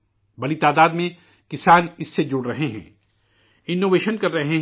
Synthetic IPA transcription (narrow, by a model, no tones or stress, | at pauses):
bɐlit̪aːd̪aːd̪mẽ | kɪsaːnɪsːed͡ʒʊɽɾɐɦeɦɛ̰̃ː | ɪnːoːʋeːʃənkɐɾːɐɦeɦ